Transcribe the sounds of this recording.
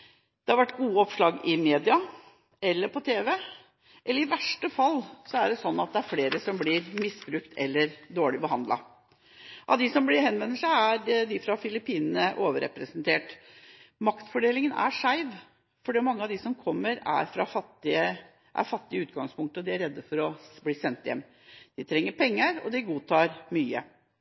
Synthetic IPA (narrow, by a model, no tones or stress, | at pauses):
d̪̥ɛhɑɾʋæʈːɡuːəɔpʂlɑːɡɪmeːd̪ɪɑ | ɛlːəɾpʰɔt̪ʰeːʋɛ | ʔɛlːəɾɪʋæʂʈəfɑlːsɔæɖɛsɔnːɑt̪̚d̪ɛæɾfleːɾəsɔmblɪɾmɪsbɾʉkt̪ʰɛlːəɾd̪oːɭɪbəɦɑnd̪lɑ̰ | ʔɑ̰ʋd̪ɪsɔmblɪɾhɛnʋɛnːəʂæɪæɾd̪ɪfɾɑfɪlɪpiːnənəʔoːʋəɾɛ̰pɾəsənt̪ʰeːʈ | mɑkt̪fɔɖeːlɪŋənæ̰ʂæɪʋ | fɔɖimɑŋːəɑʋd̪ɪsɔmkʰɔmːəɾæ̰ɾfɾɑfɑt̪ːɪə | ʔæ̰ɾfɑt̪ːɪəʉːt̪̚ɡɑŋspʰʊŋk̚t̪əɔd̪ɪæɾɛd̪ːəfɔɾɔbliːsɛnt̪jɛ̰mː | d̪̥ɪt̪ʰɾɛŋːəɾpʰɛŋːəɾɔ̰d̪ɪɡuːt̪ʰɑːɾmyːə̰